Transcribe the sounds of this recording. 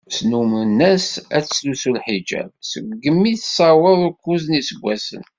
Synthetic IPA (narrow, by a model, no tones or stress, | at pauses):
snumənːæsæt͡sːslusulħid͡ʒæ̰bsəɡɡːəmːiθsɑwəðˤʊkːuznisəɡʷːæsə̰n